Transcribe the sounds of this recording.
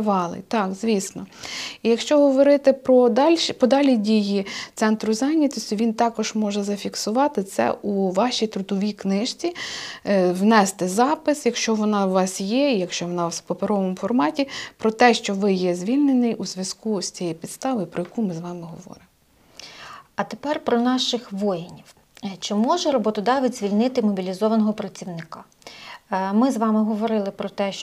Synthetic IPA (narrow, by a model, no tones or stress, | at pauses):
ʋɑlˠɪ̰t̪ɑkzʲʋʲisnɔijɐkʃt͡ʃɔɦɔʋɔɾɪt̪ɪpɾɔd̪ɑlʲʃpɔd̪ɑlʲidʲijit̪sɛnt̪ɾʊzɑnʲːɐt̪ɔsʲt̪ʲʊʋʲint̪ɑkɔʒmɔʒɛzɐfʲiksʊʋɑt̪ɪt̪sɛ̰ʔuʋɑʃʲijt̪ɾʊd̪ɔʋʲijknɪʃt͡sʲi | wnɛst̪ɪzɑpɪsjɐkʃt͡ʃɔʋɔnɑwʋɑsjɛijɐkʃt͡ʃɔʋɔnɑpɔpeɾɔʋɔmʊfɔrmɑtʲipɾɔt̪ɛʃt͡ʃɔʋɪjɛzʲʋʲilʲnenɪjuzʲʋʲjɐskusʲt͡sʲɛjɛjpʲid̪st̪ɑʋɪjpɾɔjɐkumɪzʋɑmɪɦɔʋɔ̰ɾɪmɔ | ɐt̪epɛrpɾɔnɑʃɪxʋɔjɪnʲiw | t͡ʃɪmɔʒɛɾɔbɔt̪ɔd̪ɑʋɪzʲʋʲilʲnɪt̪ɪmɔbʲilʲizɔʋɐnɔɦɔpɾɐt͡sʲiwnɪkɑ | mɪzʋɑmɪɦɔʋɔɾɪlˠɪpɾɔt̪ɛʃ